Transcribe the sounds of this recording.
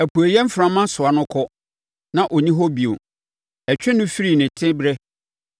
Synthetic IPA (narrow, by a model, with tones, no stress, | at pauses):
æ˨pʰu˨e˨jɛ˦m̩˦fɾã˦mã˦sʊ˨a˦nʊ̃˦kʰɔ˦ | nã˨ʔɔ˨ɲĩ˦ɦɔ˦bi˨o˨ | ɛ˨t͡ɕᶣɪ˦nʊ̃˦fi˦ɾi˨nɪ̃˨tʰɪ̃˦bɾɛ˦